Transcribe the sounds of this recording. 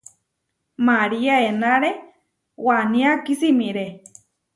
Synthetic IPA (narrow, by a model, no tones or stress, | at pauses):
maɾiaenaɾe | wanĩakisimĩɾe